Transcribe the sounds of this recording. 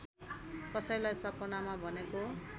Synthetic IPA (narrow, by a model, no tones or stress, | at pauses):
kʌsʌjlajsʌpʌnamabʱʌneko